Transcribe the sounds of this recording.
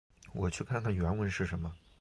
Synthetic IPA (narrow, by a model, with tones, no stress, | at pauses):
wɔ˨˩t͡ɕʰy˥˧kʰa˥˧nkʰa˥˩nɥɛ˧˥nwə˧˥nʂɻ̩˥˩ʂə˧˥nmə˧